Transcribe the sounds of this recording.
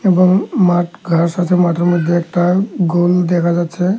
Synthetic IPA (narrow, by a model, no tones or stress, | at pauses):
ebɔŋmaʈɡʱəɹsat͡ʃʰɛmat̪ɾɔmɔd̪ʱeɛkʈaɡold̪ekʰad͡ʒat͡ʃʰɛ